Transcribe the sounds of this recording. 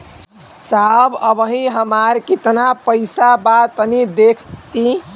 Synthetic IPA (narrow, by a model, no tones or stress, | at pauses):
sabəbəɦĩɦəmaɾkit̪napəɪsabat̪ənid̪ekʰt̪i